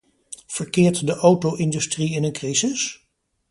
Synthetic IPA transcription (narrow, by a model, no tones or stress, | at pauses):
v̥əɹkɪːɹtdəʔowtowʔɪndystriɪnənkrizɪs